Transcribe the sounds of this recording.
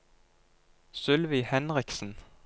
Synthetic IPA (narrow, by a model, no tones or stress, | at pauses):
sʉlʋɪhɛnʁɪksn̩